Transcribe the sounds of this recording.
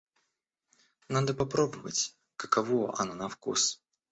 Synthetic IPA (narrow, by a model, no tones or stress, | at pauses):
nad̪əpapɾobəvə̰t͡sʲ | kəkavɔʔa̰nanɐfkṵs